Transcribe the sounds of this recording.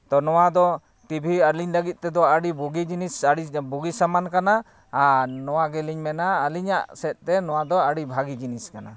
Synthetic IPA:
t̪ɔnɔwad̪ɔ | ʈibʱiəɾliɲləɡit̪̚ˀt̪ɛd̪ɔəɽibuɡid͡ʒinisaɽibuɡisamankanaː | nɔwaɡɛliɲmɛnaːliɲa̰ʔsɛt̪̚t̪ɛnɔwad̪ɔaɽibʱaɡid͡ʒiniskana

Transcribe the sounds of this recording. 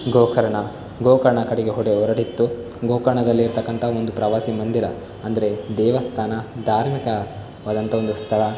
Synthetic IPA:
ɡoːkɐɾɐɳɐ | ɡoːkɐɾɐɳɐkɐɽɛɡe̞ɦɔɽeɔɾɐɽit̪ːu | ɡoːkɐɾɐɳɐd̪ɐlːiːɾt̪ɐkːɐnt̪ʰɐond̪upɾɐʋaːsimɐnd̪iɾɐ | ɐnd̪ɐɾe̞d̪ɛːʋɐst̪ʰaːnɐd̪ʱaːɾmikɐ | ʋaːd̪ɐnt̪ʰɐo̞nd̪ust̪ʰɐɭɐ

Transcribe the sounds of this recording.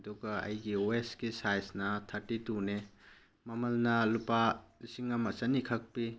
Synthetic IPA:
duɡɐɐ̰jɡiwestɡisajsnɐtʰɐɾtːitune | mɐmɐlnɐlupalisiŋɐmɐsɐnikʰɐk̚pi

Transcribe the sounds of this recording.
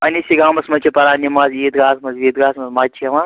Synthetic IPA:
ɐnisiɡaːmɐsmɐt͡ʃʰipɐɾaːnimaziːt̪ɡaːsmɐzʋiːt̪ɡaːsmɐzmat͡ʃʰiɐma

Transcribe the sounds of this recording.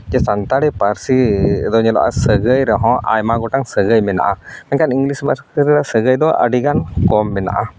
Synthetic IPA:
d͡ʒɛsant̪aɽipaɾsid̪ɔɲɛlɔ̰ʔa̰səɡəjɾɛɦɔ̃ʔa̰jmaɡɔʈaŋsəɡəjmɛna̰ʔamɛɲkaniŋɡlisbəɾəɾiɾasəɡəjd̪ɔʔə̰ɖiɡankɔmːɛna̰ʔa

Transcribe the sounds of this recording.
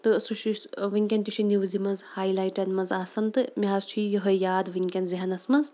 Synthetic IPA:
t̪ɨsuʃiʃʋɨŋʲkʲɐnt̪ʲuʃʰiniʋzimɐnzhaːjlaːjʈɐnmɐnzaːsɐnt̪ɨmʲiɦazt͡ʃʰijɐɦɐjaːd̪ʋɨŋkʲɐnziɦɐnɐsmɐnz

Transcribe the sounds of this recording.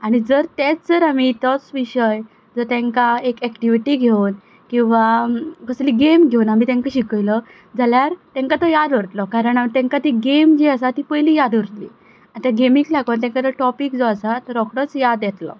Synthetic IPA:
aɽ̃id͡zəɾt̪ɛt͡sd͡zəɾamit̪ɔt͡sʋiɕəj | d͡zəɾt̪ẽŋkaekɛkʈiʋiʈiɡʱewn | kĩw̃ʋakəsliːɡemɡʱewnamiːt̪ɛ̃ŋkaɕikəjlə | d͡zaljaɾt̪ɛ̃ŋkat̪əjad̪ʋəɾt̪lɔkaɾəɳat̪ɛ̃ŋkat̪iɡemd͡ʑiəsat̪iːpəjliːjad̪ʋəɾt̪lḭː | at̪jaɡemiklaɡənt̪ẽŋkat̪əɾʈɔpikd͡zɔasat̪əɾɔkʰɽət͡sjad̪jɛt̪lɔ̰

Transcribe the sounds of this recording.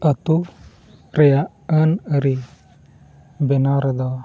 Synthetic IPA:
ət̪u | ɾɛjaʔ | ənəɾi | bɛnaɾad̪ɔ

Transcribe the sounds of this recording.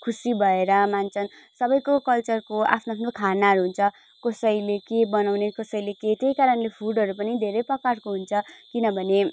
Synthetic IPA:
kʰusibʱʌeɾʌmant͡sʰʌn | sʌbʌjkokʌlt͡sʌrkoa̰pʰnoapʰnokʰanaɾuɦunt͡sʰʌ | kʌsʌilekebʌnawnekʌsʌileket̪ejkaɾʌnlepʰuɖʌɾupʌnid̪ʱeɾʌjpʌkarkoɦunt͡sʰʌkinʌbʱʌne

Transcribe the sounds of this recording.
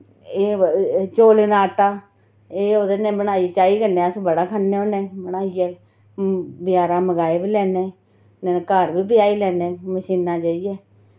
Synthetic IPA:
eːt͡ʃoːleːnaːʈaː | eːoːd̪ənẽːbəɽaːit͡ʃaːiːkənẽːəsbəɽaːkʰənːeːõːnẽːbəɽaːiɛː | bɪjaːɾãːməɡaːeːbiːlɛːneː | nɛːkəːɾbiːbɪjaːiːlɛːnẽːməʃiːnãːt͡ʃaːiːjɛː

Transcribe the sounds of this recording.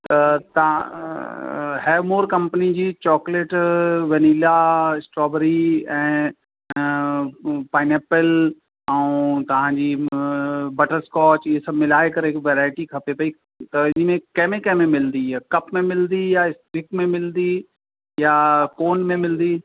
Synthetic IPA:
t̪ɐt̪ɐ̃ | ɦɛːmoːɾkɐ̃mpənid͡ʑiːt͡ɕɔːkleːʈʋɐniːlaɪsʈɾɔːbəɾiɛ̃ː | paːɪneːpəl | ɛũt̪ɐʋ̤ãːɲd͡ʑiː | bɐʈəɾskɔːt͡ʃiesɐbmɪlaːekɐɾɦɪkʋɛːɾaːɪʈikʰɐpepɐi | t̪ɐɪnmẽkɛːmẽkɛ̃ːmẽmɪld̪ikɐpmẽmɪld̪ijaɪsɾɪkmẽmɪld̪i | jakoːnmẽmɪld̪iː

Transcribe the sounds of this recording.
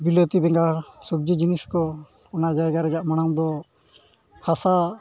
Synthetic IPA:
bilɔt̪ibɛŋɡaɾsoɡ̚d͡ʒid͡ʒiniskɔ | ɔnad͡ʒajɡaɾɛd͡ʒaʔmañaŋd̪ɔ | hasa

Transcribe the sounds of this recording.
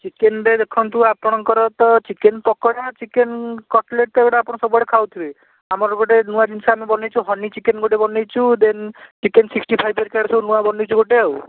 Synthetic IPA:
t͡ʃikenɾed̪ekʰɔnt̪uapɔɽ̃ɔŋkɔɾɔt̪ɔt͡ʃikenpɔkɔɽat͡ʃikenkɔʈleʈ̚t̪eɡɔɽaaːpɔɽɔsɔbɔɽekʰawt̪ʰibe | amɔɾɡɔʈenuad͡ʒinsaamibɔnejt͡ʃʰuɦɔnit͡ʃikenɡoʈebɔnejt͡ʃʰud̪ent͡ʃikensiksʈipʰajbʱeɾkaɾsɔwnuabɔnijt͡ʃʰuɡoʈew

